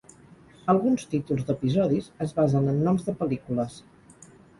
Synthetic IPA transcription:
əlˠɣunst̪it̪ulˠzd̪əpizɔðizəzβazənənːɔmzðəpəlikuləs

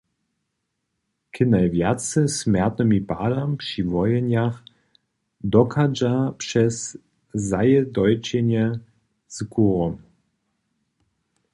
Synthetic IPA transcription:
kʰənaɪvjat͡səsmɛɐt̪nəmibaːdampʂivɔjənjaχ | dɔkʰad͡ʒapʂɛs | zajədɔʏt͡ʃenjə | z̥kʰuʁɔm

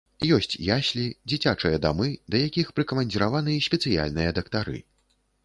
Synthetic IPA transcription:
jɔsʲt͡sʲjasʲlʲid͡zʲit͡sʲat͡ʂɨjɐd̪amɨd̪ɐjakʲixpɾɨkɐmɐnʲd͡zʲiɾavanɨjɐsʲpʲɛt̪sɨja̰lʲnɨjɐd̪ɐkt̪aɾɨ̰

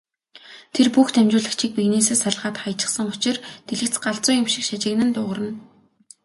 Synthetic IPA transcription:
t̪ʰerpuxt̪ʰæmt͡ɕʊːɮə̆xt͡ɕʰiːk̚piɣneːseːsaɮʁaːt̪χajt͡ɕə̥̆χsə̆ŋʊt͡ɕɪ̆rt̪ʰeɮɘ̆kt͡sɢaɮt͡sʊːŋjʊmʃɪ̆kʃat͡ɕɪ̆ɣnɘ̆nt̪ʊːʁə̆rə̆n

